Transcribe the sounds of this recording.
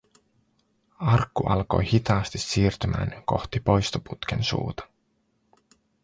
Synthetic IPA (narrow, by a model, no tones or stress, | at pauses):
ɑrkːuʔɑlko̞̰jhit̪ɑːst̪isːiːrt̪ymæ̰ːnko̞̰xt̪ipo̞jst̪oput̪k̟ensṵːt̪ɑ̥